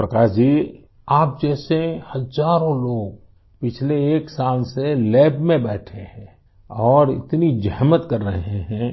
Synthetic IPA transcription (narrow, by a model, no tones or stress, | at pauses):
pɾəkaːɾd͡ʒiː | aːp̚d͡ʒɛːsehəzaːɾõloːɡ̚ | pɪt͡ʃʰleːksaːlselɛːbmẽbɛːʈʰehɛ̃ | ɔːɾɪ̰t̪nid͡ʒəɦmət̪kəɾːəɦeɦɛ̃ː